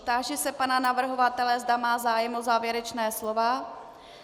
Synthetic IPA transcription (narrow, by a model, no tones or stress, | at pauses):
t̪aːʒɛsɛpananavr̩ɦo̞vat̪ɛlɛzdamaːzaːjɛmozaːvjɛɾɛt͡ʃnɛːslovaː